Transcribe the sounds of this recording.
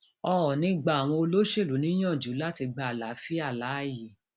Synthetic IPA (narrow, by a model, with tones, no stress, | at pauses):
ɔ˧ɔ˨nĩ˧ɡ͡ba˦˨w̃ɔ̃˧o˧lo˦ʃe˦˨lu˨˦nĩ˦j̃ã˦˨d͡ʒu˨˦la˦ti˧ɡ͡ba˨la˨˦fi˦a˦˨la˨˦˨ji˨